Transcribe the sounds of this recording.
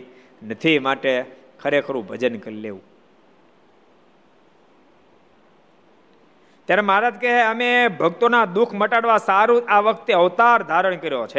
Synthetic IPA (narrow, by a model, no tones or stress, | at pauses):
nət̪ʰimaʈekʰəɾekʰəɾũbʱəd͡ʒənkəɾilḛʋũ | t̪jaɾemaaɾad͡ʒkeɦeəmebʱəɡt̪onad̪ukʰməʈaɽʋasaɾuaʋəkʰt̪eəʋt̪aɾd̪ʱaɾəɳ̃kəɾjot͡ʃʰe